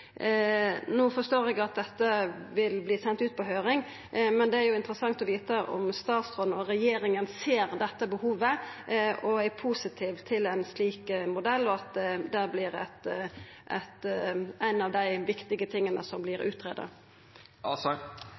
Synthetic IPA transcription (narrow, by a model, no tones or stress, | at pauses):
nuːfɔʂt̪oːɾɛɡɑt̪̚d̪ɛt̪ːəʋɪlbliːsɛnt̪ʉːt̪̚pʰɔɦøːɾɪŋ | mɛnd̪ɛæɾjʊɪnt̪ɾəsɑŋt̪ɔʋiːt̪əʔɔ̰mst̪ɑːt̪sɾoːd̪n̩ɔɾɛjeːɾɪŋənseːɾd̪ɛt̪ːəbəhuːʋə | ɔæpʰusɪt̪ʰiːʋt̪ʰɪlæɪnsliːkmʊd̪ɛlːɔɑt̪̚d̪d̪ɛblɪɾæ̰t̪ʔɛt̪æɪnɑʋd̪æɪʋɪkt̪ɪɡət̪ʰɪŋːənə̰sɔmblɪɾʉ̰ːt̪ʰɾḛːd̪ɑ̰